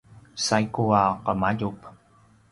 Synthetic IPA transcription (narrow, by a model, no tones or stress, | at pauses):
sajkuaqəmaɟup